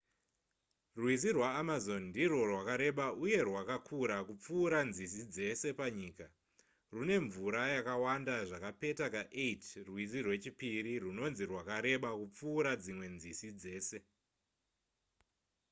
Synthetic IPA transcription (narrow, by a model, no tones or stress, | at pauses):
rwizirwaːmazo̞nndiro̞rwakaɾe̞ɓauje̞rwakakʰuɾakup͡fuːɾanzisid͡ze̞se̞paɲiːka | rune̞ɱvuɾajakawandaʐakape̞takaʔetrwizirwe̞t͡ʃipiɾiruno̞nzirwakaɾe̞ɓakup͡fuːɾad͡zimwe̞nzisid͡ze̞ːse̞